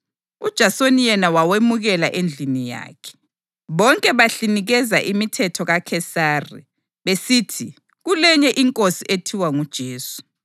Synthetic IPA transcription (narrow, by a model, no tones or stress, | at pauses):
ud̥ʒ̥ʱasonijɛnawawemuɣɛlaʔend͡ɮʱinija̰ːkʰɛ̥ | βɔŋkʼɛβaɬiniɣɛzaʔimitʰɛtʰɔɣakʰɛsaːrḭ | βesitʰi | ɣulɛɲɛʔiŋkʼosiʔetʰiwaŋud̥ʒ̥ʱeːsu̥